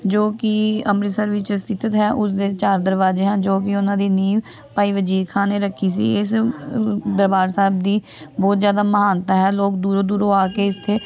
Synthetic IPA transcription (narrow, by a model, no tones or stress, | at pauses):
d͡ʒoːkɪəmɾɪsəɾʋɪt͡ʃst̪ʰɪt̪ət̪ɦɛːʔʊsd̪eːt͡ʃaːɾd̪əɾʋaːzeːɦãːd͡ʒoːk̬ɪʊnãːd̪iːniː | paːiːʋəd͡ʒiːkʰãːneːɾəkʰːiːsḭːɪs | d̪əɾbaːɾsɛːb̚d̪iː | bɔːt̪zjaːd̪aːməɦaːnt̪aːɦɛːloːk̚d̪uːɾoːd̪uːɾoːaːkeːɪst̪ʰeː